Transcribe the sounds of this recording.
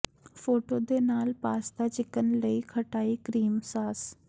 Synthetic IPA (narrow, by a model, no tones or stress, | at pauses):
foːʈod̪eːnaːlpaːst̪at͡ɕɪkənɪ̆ləikʰɐʈaːikɾiːmsaːs